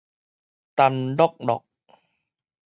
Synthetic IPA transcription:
t̪a˧ndɔ˥˩k̚dɔ̰˨˩k̚

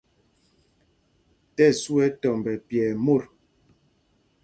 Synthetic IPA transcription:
tɛ˦˨su˦ɛ˦tɔ˨m˨bɛ˨pjɛː˨mo˦˨ɾ

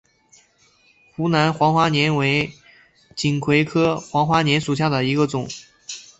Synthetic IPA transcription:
xu˧˥na˧˥nxwɑ˧˥ŋxwa˥njɛ˧˥nwe˧˥ɪ | t͡ɕi˨˩nkʰwe˧˥ɪkʰɤ˥xwɑ˧˥ŋxwa˧˥njɛ˧˥nʂu˨˩ɕ̬ja˥˩d̪ə˩i˧˥ɡə˧t͡sʊ˨˩˦ŋ

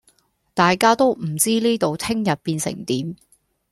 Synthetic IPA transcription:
t̪aː˨jkaː˥t̪o˥wm̩˨˩t͡siː˥liː˥t̪o˨wt̪ʰɪ˥ŋjɐ˨t̚piː˧nsɪ̰˨˩ŋt̪iː˨˥m

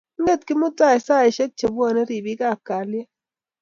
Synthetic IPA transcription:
ŋe˦˨t̚kɪ˦mʊ˦ta˦˨ɛ˨sa˦˨ɛ˨ʃɛ˦k̚t͡ʃe˨bɔ˦˨nɛ˦ɾi˨bi˦ka˦˨ka˨lje˦

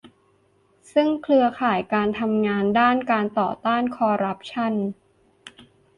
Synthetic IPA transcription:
sɯ˥˩ŋkʰlɯ˧ɐkʰaː˨˩jkaː˧nt̪ʰa˧mŋaː˧ndaː˥˩nkaː˧nt̪ɔ̰ː˨˩t̪aː˥˩nkʰɔː˧ɾa˦˥p̚t͡ɕʰa˥˩˨n

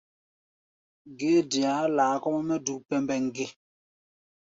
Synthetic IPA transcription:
ɡe˦dja˨˦laː˨kɔ˦ʔmɛ˦du˨pɛ˦mbɛ˨ŋ̩˨ɡe˦

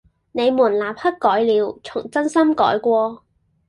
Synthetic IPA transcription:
ne˨˧jmuː˨˩nlaː˨p̚hɐ˥t̚kɔː˨˥jliː˨˧wt͡sʰʊ˨˩ŋt͡sɐ˥nsɐ˥mkɔ̰ː˨˥jkʷɔː˧

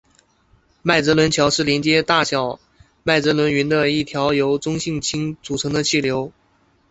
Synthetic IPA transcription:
ma˥˩ɪt͡sɤ˧˥lwə˧˥nt͡ɕʰjɑ˧˥ʊʂɻ̩˥˩ljɛ˧˥nt͡ɕjɛ˥t̪a˥˩ɕjɑ˨˩ʊ | ma˥˩ɪt͡sɤ˧˥lwə˧˥nɥy˧˥nd̪ə˧i˥˩t̪ʰjɑ˧˥ʊjo˧˥ʊt͡sʊ˥ŋɕi˥˩ŋt͡ɕʰi˥ŋt͡su˨˩ʈ͡ʂʰɤ˧˥ŋd̪ə˧t͡ɕʰi˥˩ljo˧˥ʊ

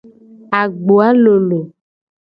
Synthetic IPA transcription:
a˨ɡ͡bo˨a˦lo˨lo˨

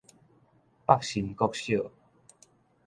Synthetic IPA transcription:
pa˥˨k̚ɕi˨˩nkɔ˥˦˨k̚ɕjo˥˨

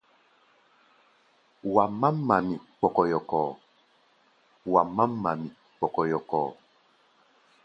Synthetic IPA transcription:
wa˨ma˦mːa˨mi˨k͡pɔ˨kɔ˨jɔ˨kɔː˨ | wa˨mːa˦mːa˨mi˨ | k͡pɔ˨kɔ˨jɔ˨kɔ̰ː˨

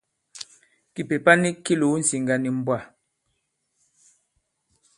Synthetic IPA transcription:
ki˨pe˨pa˦ni˦ki˦lu˨˦n̩˨si˨ŋɡa˨ni˨m̩˦bwa˦˨

